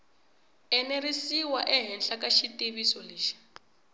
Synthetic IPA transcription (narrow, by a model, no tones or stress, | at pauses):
ɛneɾisiwaʔɛɦɛnɬakaʃitiβisɔliːʃḁ